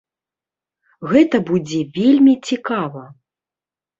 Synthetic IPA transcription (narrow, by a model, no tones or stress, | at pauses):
ɣɛt̪ɐbud͡zʲɛvʲelʲmʲit͡sʲikavɐ